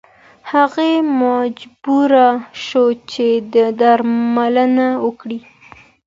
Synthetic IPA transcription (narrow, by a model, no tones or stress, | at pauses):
haɣemad͡ʒbuɾaʃot͡ʃed̪əd̪aɾmalənawəkɽi